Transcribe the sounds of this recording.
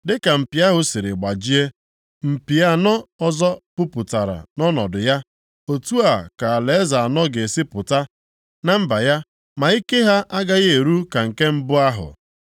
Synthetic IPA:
dɪ˦ka˨m̩˨pi˨a˦ɦʊ˦si˨ɾɪ̰˨ɡ͡ba˨d͡ʒi˦e˦ | m̩˨pi˨a˦nɔ˦ɔ˦zɔ˦pʊ˦pʊ˨ta˨ɾa̰˨nɔ˦nɔ̰˨dʊ˨ja˦ | o˨tu˦a˨ka˨a˨le˨e˦za˨a˨nɔ˦ɡe˨si˦pʊ˨ta˦ | na˦m̩˦ba˨ja˦ | ma˨i˦ke˦ɦa˦ʔa˦ɡa˦ɣe˦e˨ɾu˦ka˨ŋ̩˨ke˦m̩˦bʊ˦a˦ɦʊ̰˨

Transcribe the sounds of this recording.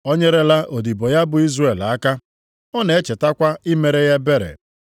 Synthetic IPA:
o˦ɲe˦ɾe˦la˦ʔo˨di˨bo˨ja˦bʊ˨i˦zre˨la˦ka˦ | ɔ˦ne˨e˦t͡ʃe˨ta˦kʷa˦ɪ˦me˨ɾe˦ja˦be˦ɾḛ˨

